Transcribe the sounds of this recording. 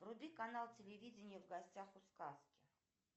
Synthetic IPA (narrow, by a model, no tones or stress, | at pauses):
vɾud̪ikanalˠtʲɪlʲɪvʲid͡zʲɪnʲɪjəvɡɐsʲt͡sʲaχʊskaskʲɪ